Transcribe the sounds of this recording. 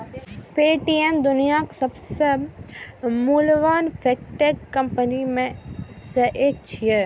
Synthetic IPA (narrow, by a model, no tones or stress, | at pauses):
peːʈiemd̪ʊnijaksɐbse | mulʋaːnfʰeːk̚ʈekːɐ̃mpənimẽsəʔet͡ʃʰije